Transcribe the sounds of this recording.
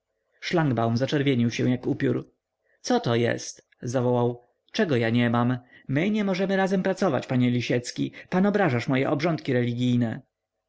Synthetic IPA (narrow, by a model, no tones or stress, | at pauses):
ʂlaŋɡbawmzat͡ʂɛɾvʲjeɲiwɕɛw̃jakupʲjuɾ | t̪sɔt̪ɔjɛ̰st̪ | zavɔwaw | t͡ʂɛɡɔjaɲɛmammɘɲɛmɔʐɛmɘɾazɛmpɾat̪sɔva̰t͡ɕpaɲɛlʲiɕɛt̪skʲḭpanɔbɾaʐaʂmɔjɛ̰ʔɔbʐɔnt̪kʲiɾɛlʲiɡʲijnɛ